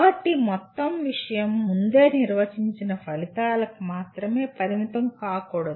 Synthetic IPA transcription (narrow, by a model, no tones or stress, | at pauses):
ɐʈːimɔt̪ːɐmʋiʂɐjɐmːund̪eːniɾʋɐt͡ʃiɲt͡ʃinɐpʰɐlit̪aːlɐkumaːt̪ɾɐme̞ːpɐɾimit̪ɐmkaːkuːɽɐd̪u